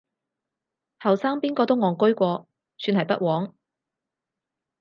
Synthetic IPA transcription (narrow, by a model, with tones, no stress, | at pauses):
hɐ˨wsaː˥ŋpiː˥nkɔː˧t̪o˥wŋɔː˨˩ŋkɵ˥ɥkʷɔː˧ | syː˧nhɐ˨jpɐ̰˥t̚wɔː˨˥ŋ